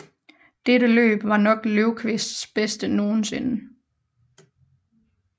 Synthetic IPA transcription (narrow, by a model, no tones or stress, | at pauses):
d̥eɾəlø̰ːb̥ʋɑ̈nɒ̽ɡ̥løʊkʰʋesd̥sb̥esd̥əno̝ːn̩se̝nə